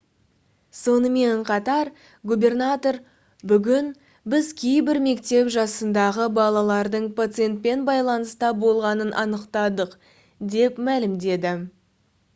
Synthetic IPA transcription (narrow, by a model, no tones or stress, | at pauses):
so̞nəme̞ɴqʰɑt̪ɑɾ | ɡube̞rnat̪o̞ɾ | bʏɡʲɪn | bɪzkʲʰe̞jbɪɾme̞kt̪e̞pʒɑsənd̪ɑʁəbɑlˠɑlˠɑɾd̪əɴpʰat̪sɨje̞nt̪̚pe̞nbɑjlˠɑnəst̪ɑbo̞lˠʁɑnənʔɑnəqt̪ɑd̪əq | d̪e̞pmælɪmd̪e̞d̪ɪ